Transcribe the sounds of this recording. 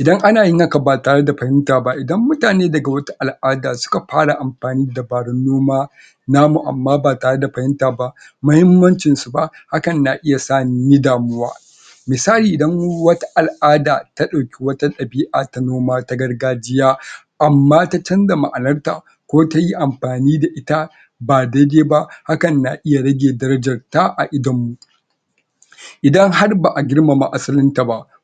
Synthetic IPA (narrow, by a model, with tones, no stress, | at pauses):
ʔɪ˨dɐ˦ŋʔa˦naː˨jɪ˦nɐ˦ka˨baː˨taː˨ɽe˦da˨ɸɐ˨hɪ˦ntaː˨ba˦ʔɪ˨dɐ˦mːʊ˦taː˨neː˦dɐ˨ɡa˨wɐ˦tu˦ʔa˨lʔaː˦daː˨sʊ̥˦ka˨ɸaː˦ɽa˨ʔa˨mɸaː˨niː˦da˨baː˨ɽɪ˦nːoː˦maː˦ | naː˦mu˨ʔa̰˨mːaː˦baː˨taː˨ɽe˦da˨ɸɐ˨hɪ˦ntaː˨ba˦ʔ | mʊ˦hɪ˦mːɐ˦nt͡ʃɪ˨nsu˨ba˦ʔ | ha˦kɐ˨nnaː˨ʔɪ˦ja˨saː˦˨n˨˦ni˦daː˨mʊ˦wa̰ː˦ | mɪː˨saː˦liː˨ʔɪ˨dɐ˦ŋ˦wɐ˦ta˦ʔa˨lʔaː˦daː˨ta˦ɗa˨kʲi˦wɐ˦ta˦ɗɐ˨biː˦ʔaː˨ta˦noː˦maː˦ta˦ɡɐ˦rɡaː˦d͡ʒɪ˦jaː˦ | ʔa˨mːaː˦ta˦t͡ʃɐ˦nda˨ma̰˨ʔa˨nɐ˦rta̰˨ | kʷoː˦ta˦ji˦ʔa˨mɸaː˨niː˦da˨ʔɪ˦ta˦ | baː˨dɐ˦deː˦ba˦ʔha˦kɐ˨nːa˨ʔɪ˦ja˨ɽɐ˦ɡʲeː˨dɐ˦ɾɐ˦d͡ʒɐ˨rta˦ʔa˨ʔɪ˦dɐ˨mːu˨ | ʔɪ˨dɐ˦ŋha˦rba˨ʔa˨ɡʲɪ˦rma˨ma̰˨ʔa˦sɐ˦lɪ˦nta˨ba˦ʔ